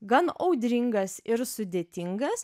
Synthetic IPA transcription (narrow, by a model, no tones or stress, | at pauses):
ɡɐnɐʊd̪ʲɾʲɪŋɡɐsɪɾsʊd̪ʲeːt̪ʲɪŋɡɐs